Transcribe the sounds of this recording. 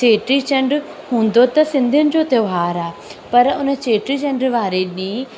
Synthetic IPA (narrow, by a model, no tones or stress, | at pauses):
t͡ɕeːʈɾit͡ɕɐ̃ɳɖɾ | ɦũːn̆d̪ot̪ɐsɪ̃nd̪ʱijʊnɪ̆d͡ʑoːt̪ɐʋɦaːɾaːpɐɾʊnət͡ɕeːʈɾit͡ɕɐ̃ɳɖɾʋaːɾeɗĩː